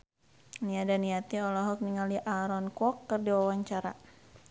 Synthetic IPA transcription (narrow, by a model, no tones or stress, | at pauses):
niadaniat̪iɔlɔɦɔk̚niŋaliʔaɾɔnkɔkːərdiwawaɲt͡ʃaɾa̰